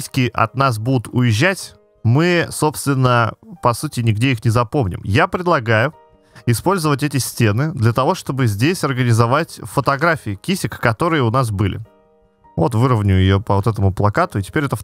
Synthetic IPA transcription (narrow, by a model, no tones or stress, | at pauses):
sʲkʲɪʔɐ̰t̪nas̬bud̪ʊt̪ʰʊjɪʑːætʲ | mɨso̞pst̪vʲɪnːəpɐsutʲɪnʲɪɡdʲeixnʲɪzɐpo̞mnʲɪ̰mjapɾʲɪd̪lˠɐɡajʊ | ɪspo̞lʲzəvətʲɛtʲɪsʲtʲe̞nɨd̪lʲət̪ɐvo̞ʂt̪o̞bɨzʲdʲesʲɐrɡənʲɪzɐvatʲfət̪ɐɡɾafʲɪɪkʲisʲɪkkɐt̪o̞ɾɨjəʊnas̬bɨlʲɪ̰ | vo̞t̪vɨɾəvnʲʊjjɪjopəvot̪ɛt̪əmʊplˠɐkat̪ʊɪtʲɪ̥pʲeɾʲɛt̪ə